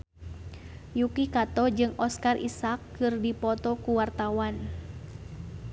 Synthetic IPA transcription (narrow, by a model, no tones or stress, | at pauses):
jukikat̪ɔd͡ʒɨŋɔskarʔḭsakː | ɨrdipɔt̪ɔkuwart̪awan